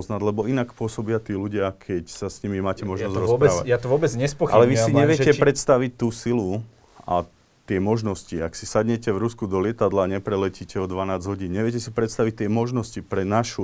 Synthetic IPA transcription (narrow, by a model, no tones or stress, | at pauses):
znaɟlɛbɔinakpʊɔsɔbɪat̪iːluɟɪakʰɛcsasɲimimaːcɛmɔʒnɔzɾɔsɾaːʋa̰jat̪ɔʋʊɔbɛd͡zɲɛspɔxʔa̰lɛʋisiɲɛʋɪɛcɛpɾɛt̪st̪aʋic̚t̪ːuːsilu | a̰ | t̪ɪɛmɔʒnɔsciaksisad̪ɲɛcɛvɾuskud̪ɔlɪɛt̪ad̪laɲɛpɾɛlɛcicɛɔd̪ʋanaːd͡zɦɔɟiːnɲɛʋɪɛcɛsipɾɛt̪st̪aʋic̚t̪ɪɛmɔʒnɔscipɾɛnaʃu